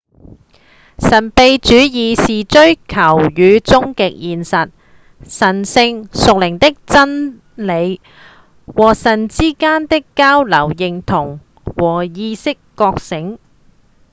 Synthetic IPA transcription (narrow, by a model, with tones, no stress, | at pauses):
sɐ˨˩npe˨˧jt͡ʃyː˨˥jiː˨˧siː˨t͡ʃɵ˥ɥkʰɐ˨˩wjyː˨˧t͡sʊ˥ŋkɪ˨k̚jiː˨nsɐ˨t̚ | sɐ˨˩nsɪ˧ŋsʊ˨k̚lɪ˨˩ŋt̪ɪ˥k̚t͡sɐ˥n | le˨˧j | wɔː˨˩sɐ˨˩nt͡siː˥kaː˥nt̪ɪ˥kːaː˥wlɐ˨˩wjɪ˨ŋt̪ʰʊ˨˩ŋ | wɔː˨˩jiː˧sɪ˥kːɔː˧k̚sɪ˨˥ŋ